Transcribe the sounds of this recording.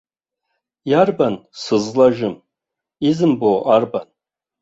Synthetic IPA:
jarbansɨzlaʒɪm | izɨmboʔarban

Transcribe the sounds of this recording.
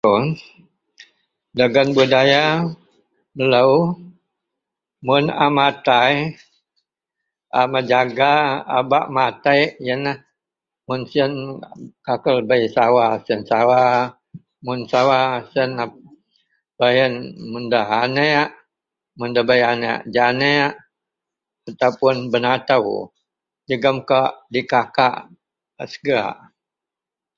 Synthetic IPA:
on | daɡanbudaja | mələw | mʊna̰mat̪aj | ʔamad͡ʒaɡa̰ːba̰ʔmat̪ajjəna | mʊnsənkakəlbəjsawasiənsawa | mʊnsawasəna | b̥ajənmundaɦaneaʔ | mundabajanḛʔd͡ʒaneaʔ | at̪awpʊnbənat̪aw | d͡ʒəɡəmkaʔdikaka̰ʔ | əsəɡaʔ

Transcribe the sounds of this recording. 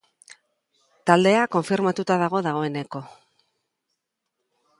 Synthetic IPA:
t̪ald̪e̞ako̞ɱfiɾmat̪ut̪aðaɣ̞o̞ðaɣ̞o̞e̞ne̞ko̞

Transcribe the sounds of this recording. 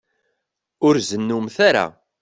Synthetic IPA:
ʊɾzənːumθaɾa̰

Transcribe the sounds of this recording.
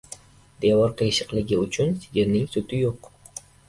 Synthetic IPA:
d̪ewɒɾqʰejʃɪqlˠɪɡʲɪʊt͡ʃʰʊnsɪɡʲeɾnɪŋsʊt̪ʰɪjoq

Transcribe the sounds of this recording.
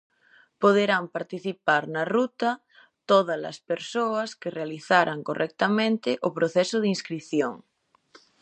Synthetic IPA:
poð̞eɾampaɾt̪iθipaɾnarut̪a | t̪oð̞ala̰speɾsoaskerealiθaɾʔaŋkorʔɛk̚t̪amẽnt̪eʔopɾoθesoð̞inskɾiθjoŋ

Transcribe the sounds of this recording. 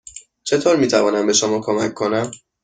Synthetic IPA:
t͡ʃʰe̞t̪ʰoːɾmiːt̪ʰævɒːnæmbe̞ʃomɒːkʰomækʰːo̞næm

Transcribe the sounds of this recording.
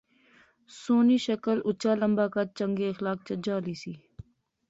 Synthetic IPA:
soːniːʃəkəlʊt͡ʃaːləmbaːkat͡ʃəŋɡeːɐxlaːk̚t͡ʃəd͡ʒaːliːsiː

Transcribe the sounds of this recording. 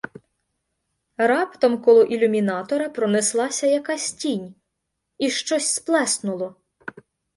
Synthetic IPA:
rɑpt̪ɔmkɔlˠɔʔilʲumʲinɑt̪ɔɾɐpɾɔnɪslˠɑsʲɐjɐkɑsʲtʲinʲ | iʃt͡ʃɔsʲsplˠɛsnʊlˠɔ

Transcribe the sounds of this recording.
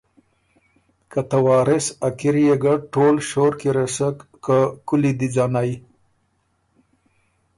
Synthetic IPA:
kat̪awɑːɾɪsakiɾijeɡaʈoːlʃoːɾkiɾesək | kakʊlid̪id͡zɑːnaj

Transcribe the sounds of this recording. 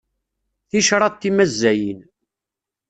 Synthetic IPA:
θiʃɾˤɑt̪ːimæzːæjin

